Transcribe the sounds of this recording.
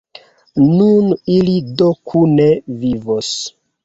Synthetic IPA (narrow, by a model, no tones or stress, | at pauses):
nunilidokʰunevivos